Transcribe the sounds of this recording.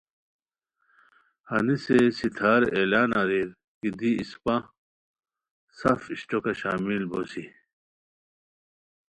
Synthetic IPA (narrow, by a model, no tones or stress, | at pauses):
hɐnisesit̪ʰaːɾeːlaːnɐɾiɾ | kid̪iispã | safiɕʈokɐɕaːmilbosi